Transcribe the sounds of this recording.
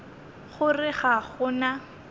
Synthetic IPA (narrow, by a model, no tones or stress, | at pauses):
χʊrɪχaχʊna